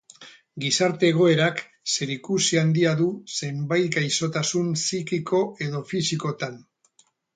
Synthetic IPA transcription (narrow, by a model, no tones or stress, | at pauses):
ɡisaɾt̪e̞ːɣ̞o̞e̞ɾak | se̞ɾikusiand̪iaðuse̞mbajt̪ɡajso̞t̪asunsikikʰo̞e̞ðo̞fisiko̞t̪an